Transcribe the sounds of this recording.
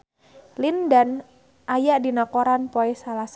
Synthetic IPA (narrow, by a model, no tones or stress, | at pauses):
lindan | ʔajaʔdinakoɾanpoɛsalas